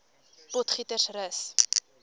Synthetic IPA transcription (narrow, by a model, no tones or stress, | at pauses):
potχitərsrəs